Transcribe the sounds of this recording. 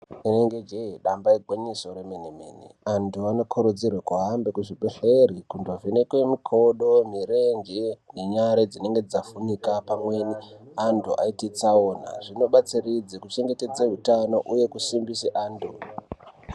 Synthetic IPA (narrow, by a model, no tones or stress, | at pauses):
ineŋɡed͡ʒeiɗambaiɡʱwaɲiso̞ɾemenemḛːnḭantuano̞kʰoɾod͡zirwekuɦambekuʐiɓeɬeɾikundovenekwe̞mikʰo̞ɗo̞miɾeŋɡene̞ɲaɾed͡zine̞ŋɡe̞d͡zafunikapamwe̞niandoʔa̰itit͡saoːna̰ʐino̞ɓat͡sirid͡zekut͡ʃe̞ŋɡe̞ted͡zeɦutano̞ʔuje̞kusimbiseʔaːndu